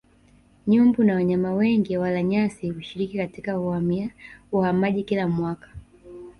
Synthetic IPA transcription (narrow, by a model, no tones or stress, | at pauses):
ɲumbunawaɲamawɛŋɡiwalaɲasiuʃiɾikikatikauhamiauhamaʄikilamwakḁ